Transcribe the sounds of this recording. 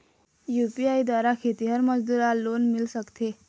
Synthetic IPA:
jupiaid̪ʋaɾakʰet̪iɦəɾməd͡zd̪uɾalonmilsəkt̪e

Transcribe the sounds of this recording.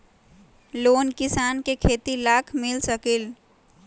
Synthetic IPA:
lonkisankekʰet̪ilakʰmilsəkil

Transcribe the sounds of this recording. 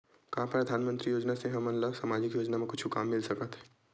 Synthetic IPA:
kaɦãpɾɐd̪ʱaːnmə̃nt̪ɾijoːd͡ʒnaseɦɐmɐnlasaːmaːd͡ʒɪkjoːd͡ʒnamẽkʊt͡ʃʰukaːmːɪlsɐkət̪ɦɛ̥ː

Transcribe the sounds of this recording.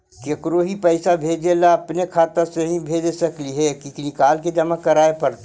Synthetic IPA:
kekɾoːɦipəɪsabʱeːd͡ʒelaɐpnekʰaːt̪əɾseɦĩbʱeːd͡ʒsɐkliɦɛkiknikaːlked͡ʒɐmakɐɾaːepɐɾt̪

